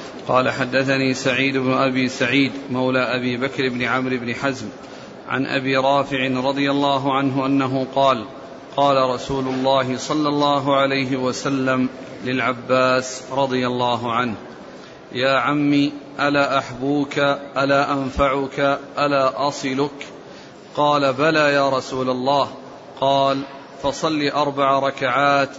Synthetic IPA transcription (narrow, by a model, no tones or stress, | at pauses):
qɑːlaħad̪ːaθaniːsaʕiːd̪ʊbnʊʔabiːsaʕiːd̪mawlaːʔabiːbakɾɪbnɪʕamɾɪbnɪħazm | ʕa̰nʔa̰biːɾˤɑːfɪʕɪnɾˤɑd̪ˤɨjalːɑːɦʊʕanɦʊʔanːaɦʊqɑːl | qɑːlaɾˤɑsuːlʊlˤːɑːɦɪsˤɑlːɑlˤːɑːɦʊʕalajɦɪwasalːam | lɪlʕabːaːsɾˤɑd̪ˤɨjalˤːɑːɦʊʕanh | jaːʕamːiːʔalaːʔaħbuːkaʔalaːʔanfaʕʊkaʔalaːʔɑsˤɨlʊk | qɑːlabalaːjaːɾˤɑsuːlalˤːɑːh | qɑːl | fɑsˤɑlːiːʔɑɾˤbaʕaɾˤɑkaʕaːt̪